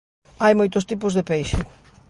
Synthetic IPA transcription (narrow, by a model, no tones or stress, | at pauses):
ajmojt̪ʊst̪ip̬ʊzðɪpejʃɪ